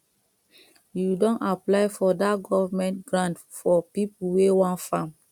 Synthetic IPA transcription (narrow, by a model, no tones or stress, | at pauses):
judɔ̃naplaɪfɔdatɡɔvamɛ̃ntɡɹãnt | fɔpipuwewãntfãm